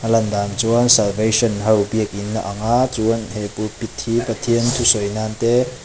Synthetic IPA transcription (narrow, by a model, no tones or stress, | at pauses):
ʔɐlɐnd̪ant͡suənsalvejsɔnɦɐwbiək̚inːɐʔɐŋaːt͡suənhepupit̪̚hipɐt̪ʰiənt̪ʰusɔjnant̪e